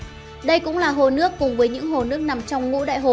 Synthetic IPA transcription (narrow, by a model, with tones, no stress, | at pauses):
ɗə˧jkʊ̰˧˥ŋ͡mlaː˨˩ɦo˨˩nɨ˦˥əkːʊ˨˩ŋ͡mvəː˨˦jɲɨ̰˧˥ŋɦo˨˩nɨ˦˥ək̚na˨˩mt͡ɕɔ˧wŋ͡mŋṵ˧˥ɗa̰ː˧˨jɦo˨˩